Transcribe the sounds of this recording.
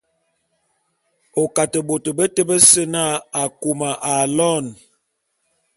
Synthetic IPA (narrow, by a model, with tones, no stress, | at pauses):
o˨ka˨tə˨ɓo˨tə˨bə˦tə˦bə˦sə˦na˦˨a˨ku˨ma˨ʔa˨lɔ˦˨n